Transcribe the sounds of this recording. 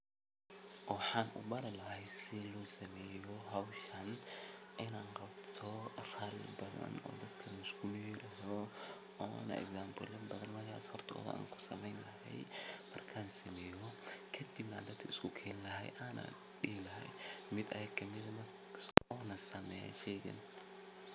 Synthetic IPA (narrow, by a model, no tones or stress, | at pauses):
ħaːnʊ̰bɐɾɐlɐhɛjsɪlɔːsɐmɛːjɔɦawʃɐnʔɪnaːnqɑbt̪ʰɔχɐɾɪ̰bɐðɐ̰nɔ̰ːd̪ɐd̪kʰɐnɪskʰʊmiɾɐɦɔ | ɔːnɐ̰ɛ̰ɡsaːmbʊlɪbɐðɐnmɐrkʰa̰ːshɔrt̪ʰɔ̰ːðɐ̰ʔa̰ːŋkʰʊ̥sɐmɛjnlɐɦɛ̰jmɐrkʰaːnsɐmɛːjɔkʰɐd̪ɪbnaːd̪ɐd̪kʰɐɪskʰʊkʰɛːnɪlɐɦɛ̰jʔaːna̰ | ɗiːlɐɦɛ̰jmɪd̪ɐ̰jɐɡkʰɐmɪðɐmɐ | ɔːnɐsɐmɛ̰ɛ̰ʃɛːɣɐ̰n